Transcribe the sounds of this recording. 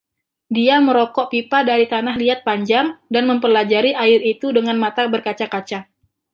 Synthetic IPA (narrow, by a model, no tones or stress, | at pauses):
diaməɾɔkɔʔpipadaɾit̪anahliat̪̚paɲd͡ʒaŋdanməmpəlad͡ʒaɾiʔaɪɾit̪udəŋanmat̪abərkat͡ʃakat͡ʃa